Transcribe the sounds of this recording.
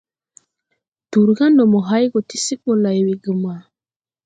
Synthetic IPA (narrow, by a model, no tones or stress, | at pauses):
tuɾɡandɔmɔɦajɡɔtisiɓːɔlajwiɡuma